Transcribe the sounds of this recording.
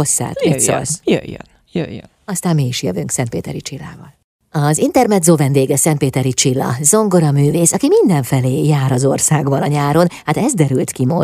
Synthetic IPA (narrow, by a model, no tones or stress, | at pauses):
osːa̰ːt̪ɛso̰sjø̰jːø̰n | jø̰jːø̰ | ɒst̪aːmmiiʃjøvyŋksɛnt̪̚pḛːt̪ɛɾit͡ʃilːa̰ːvɒ̰l | ɒzint̪ɛrnɛd̪zovɛnd̪eːɡɛsɛnt̪peːt̪ɛɾit͡ʃilːɒ̰zo̞ŋɡo̞ɾɒmyːveːsɒkimind̪ɛɱfɛleːjaːɾɒzo̞rsaːɡbɒnɒɲaːɾo̞nhat̪ɛzd̪ɛɾylt̪kimo̰